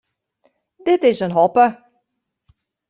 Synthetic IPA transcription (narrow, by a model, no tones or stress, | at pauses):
d̪ɪtɪzə̃nɦɔpə